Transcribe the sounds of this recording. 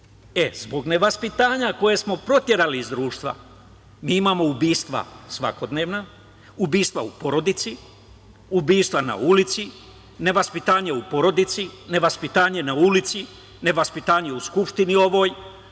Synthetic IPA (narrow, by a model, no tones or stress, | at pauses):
e̞zbo̞ɡne̞ʋaspit̪aːɲako̞je̞smo̞pɾo̞t̪je̞ɾaliːzd̪ɾuːʃt̪ʋa̰ | miimaːmo̞ubiːst̪ʋa̰sʋa̰ko̞d̪ne̞ːʋna | ubiːst̪ʋa̰upo̞ɾo̞d̪it̪si | ubiːst̪ʋana̰ulit̪si | ne̞ʋaspit̪aːɲeupo̞ɾo̞d̪it̪sine̞ʋaspit̪aːɲe̞naulit̪si | ne̞ʋaspit̪aːɲe̞uskupʃt̪inio̞ʋo̞ːj